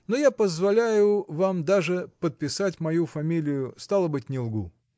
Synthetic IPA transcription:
nojapəzvɐlʲæjʊvamd̪aʐɨpət̪̚pʲɪsatʲmɐjufɐmʲilʲɪjʊst̪alˠəbɨtʲnʲɪlˠɡu

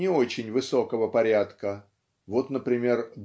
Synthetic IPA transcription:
ɪo̞t͡ɕɪnʲvɨso̞kəvəpɐɾʲat̪kə | vo̞t̪nəpɾʲɪmʲe̞rd̪

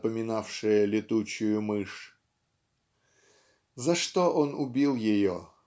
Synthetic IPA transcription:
pəmʲɪnafʂɨjəlʲɪt̪ut͡ɕʊjʊmɨʂ | zɐʂt̪oʔonʊbʲilˠjɪjo

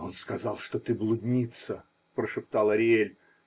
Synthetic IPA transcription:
o̞nskɐzɑlˠʂt̪ot̪ɨblˠʊdʲnʲit̪sə | pɾəʂɨpt̪ɑlˠɐɾʲɪelʲ

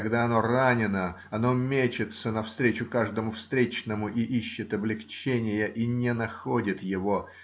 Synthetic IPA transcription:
ɐɡd̪aɐno̞ranʲɪnə | ɐnomʲet͡ɕɪt̪sənɐfst̪ɾʲet͡ɕʊkaʐd̪əmʊfst̪ɾʲet͡ɕnəmʊʔiʔiɕːɪt̪ɐblʲɪxt͡ɕenʲɪjəʔinʲɪnɐxodʲɪt̪jɪvo̞

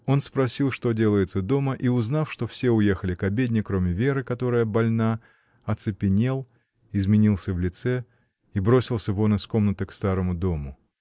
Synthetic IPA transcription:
o̞nspɾɐsʲilˠʂt̪o̞dʲe̞lˠəjɪt̪səd̪o̞məʔiʊznafʂt̪o̞fsʲeʊje̞xəlʲɪkɐbʲedʲnʲɪkɾo̞mʲɪvʲe̞ɾɨkɐt̪o̞ɾəjəbɐlʲna | ɐt̪sɨpʲɪnʲe̞lˠ | ɪzmʲɪnʲilˠsʲəvlʲɪt̪sɛ | ibɾo̞sʲɪlˠsʲəvo̞nɨsko̞mnət̪əkst̪aɾəmʊd̪o̞mʊ

